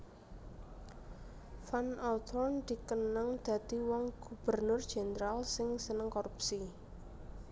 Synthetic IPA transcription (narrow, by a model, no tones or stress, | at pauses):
fanɔt̪ʰɔnd̪̥i̤kənəŋd̪̥ä̤d̪̥i̤wɔŋɡ̥ub̥ərnʊrd̥ʒ̥enəɾalsɪŋsənəŋkoɾupsi